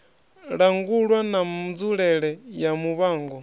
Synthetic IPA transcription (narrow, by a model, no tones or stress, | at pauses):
ɺaŋɡuɺwanamud͡zuɺɛɺɛjamuβaːŋɡɔ